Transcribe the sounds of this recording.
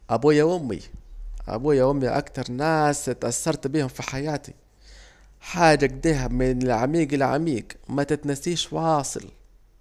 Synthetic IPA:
ʔabuːjaʔʊmːḭʔa̰buːjaʔʊmːiʔa̰kt̪ɑɾˤnaːst̪ʔasːɑɾˤt̪biːhʊmfiħajaːt̪i | ħaːd͡ʒaɡ̚d̪iːɦamɪnɪlʕamiːɡɪlʕa̰miːɡmat̪ɪt̪nasiːʃwɑːsˤɨ̰l

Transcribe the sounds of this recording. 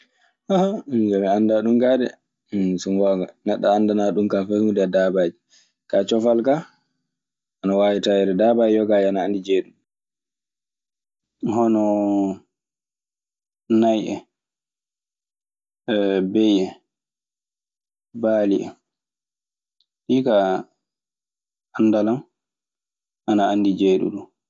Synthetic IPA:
ʔahad͡ʒamɛandaɗumkadɛ̰ | sunwaɡanɛɗːaːndanaɗumkafanudɛdabaːd͡ʒi | kat͡ʃɔfalka | ʔanawaːwitajɛdɛdabaːd͡ʒijɔɡaːd͡ʒanaandid͡ʒeɗum | hɔnɔ | najʔɛ̰ | bejɛ | baːlia̰m | ɗika | anːdalam | ʔanaandid͡ʒeɗṵɗu

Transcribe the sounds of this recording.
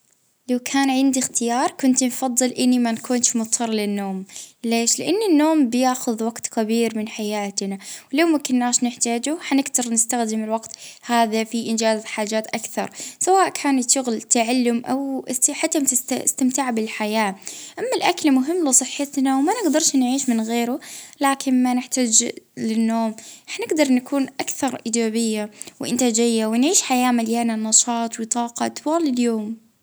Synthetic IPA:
lawkʰaːnʕɪnd̪ixt̪ɪjɑːɾˤkʊnt̪nfɑðˤːɨlʔɪnːimankuːnʃmʊt̪ˤʰːɑɾˤlɪnːoːmleːʃlɪʔanːinːoːmbɪjaːxʊðwaɡt̪kabiːɾmɪnħajaːt̪nawlawmakʊnːaːʃnɪħt̪aːd͡ʒʊħanɪɡd̪ɑɾˤnɪst̪axd̪ɪmɪlwaɡt̪haːðafiʔɪnd͡ʒaːzħaːd͡ʒaːt̪ʔakθɑ̰ɾˤsawaːʔkʰaːnt̪ʃʊɣlt̪aʕalːʊmʔawħat̪ːamt̪ɪast̪amt̪ɪʕbɪlħajaːʔamːalʔakalmʊɦɪmːlɪsˤɨħːɪt̪nawmanɪɡd̪ɑɾˤʃnʕiːʃmɪnɣeːɾʊlaːkʰɪnmanɪħt̪aːd͡ʒlɪnːoːmʔɪħnɪɡd̪ɑɾˤnakʰuːnʔakθɑɾˤʔɪːd͡ʒaːbɪjːawʔɪnt̪aːd͡ʒɪjːawɪnʕiːʃħajaːmaljaːnanɑʃɑːt̪ˤwɪt̪ˤɑːqɑʔt̪waːlɪljoːm

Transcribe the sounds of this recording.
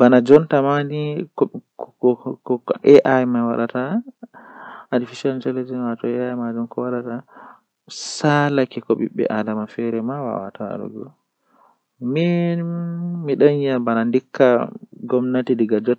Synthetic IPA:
banad͡ʒɔntamanik | ʔɛʔajmawa̰ɗata | difisant͡ʃɛlɛd͡ʒɛnwaatɔɛajmad͡ʒumkɔwaɗata | salakɛkɔɓḭɓːɛ̰ʔadamafɛɾɛmawa̰wa̰tʰa̰ɗṵɡɔ̰ | mi | miɗaɲjabanandikʰːaɡɔmnatidiɡad͡ʒɔ

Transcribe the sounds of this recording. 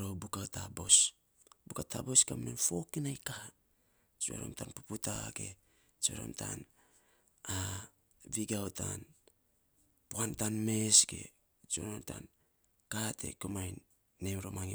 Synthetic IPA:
ɾowbukawtabo̞s | bukatʰabo̞skamnenfo̞kinajka | t͡ʃua̰ɾo̰mtanpuputa̰ɡe̞ | t͡ʃo̰ɾo̰mtʰa̰n | a | viɡawtʰan | puantanmesɡe̞̰ | t͡ʃoɾomta̰n | katʰe̞̰komajnː | emɾomaŋi

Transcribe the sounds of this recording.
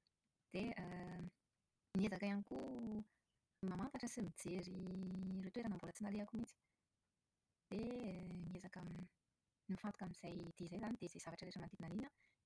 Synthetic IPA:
d̪̥eə | niezakajaniku | mamant̪aʈ͡ʂəsimid͡zeɾiret̪ueɾanambulət͡sinaleakumit͡si̥ | d̪̥eniezakami | nifant̪u̥kamiiz̥ajd̪̥izajzanid̪ezajz̥avaʈ͡ʂəɾeʈ͡ʂəmand̪iinalinə

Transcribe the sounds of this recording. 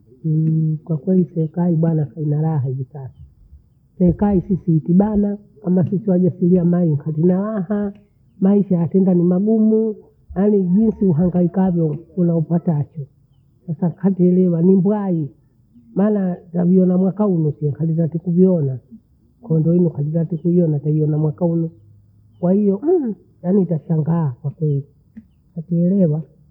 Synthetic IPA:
kwakwɛlisɛːkaiɓwanakainalaɦaivisasu̥ | sɛːkaisisiːtiɓana | kamasisiwaʄasiliamaiŋkʰatinalaha | maiʃajatɛndanimaɡumu | naniʄinsiuɦaŋɡaikavjɔkunaupwatat͡ʃɔ | sasakʰatiɛlɛwanimbwai | manataviɔnamwakaunusiɛŋkalitatikuviɔna | kʰɔndɔinukalitatikuiɔnataiɔnamwakaunu | kwahijɔ | janitasaŋɡaːkwakwɛli | katiɛlɛwa

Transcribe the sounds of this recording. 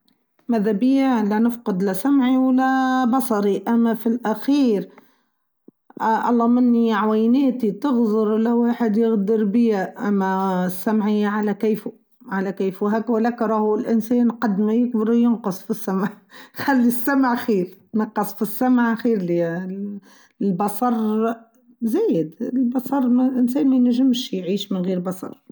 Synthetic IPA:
mæðæbɪjælænɪfqʊd̪læsamʕiwalæbɑsˤɑɾiʔæmːæfilʔæxiːɾ | ʔʔɑ̰lˤːɑːmɪnːiʕwæjnæːt̪it̪ɪɣzʊɾlæwaːħɪd̪jɪɣd̪əɾbɪjæʔæmːæsːamʕiʕalækiːfu | ʕalækiːfwɦæːkwɪlːæːkɾˤɑːhlʔɪnsɛːnqɑd̪ːmæjɪk̚bəɾjʊnqɑsˤfisːæmʕ | xælːisːæmʕxiːɾnɑqːɑsˤfisːamʕxiːɾli | lbɑsˤɑɾˤ | zæːjɪd̪ɪlbɑsˤɑɾˤmælʔɪnsɛːnmænæʒɪmʃjʕiːʃmɪnɣiːɾbɑsˤɑ̰ɾˤ

